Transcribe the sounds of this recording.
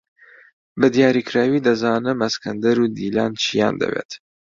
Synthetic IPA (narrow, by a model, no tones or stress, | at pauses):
bɨd̪ijɑːɾiːkɾawiːd̪ɐzɑːnɨmɐskɐnd̪ɐɾuːd̪iːlɑːnt͡ʃʰijɑ̰ːnd̪ɐ̰wḛːt̪